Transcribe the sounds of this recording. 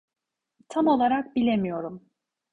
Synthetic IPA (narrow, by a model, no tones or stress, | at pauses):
t̪ʰamo̞lˠaɾak̚bilʲe̞mijo̞ɾum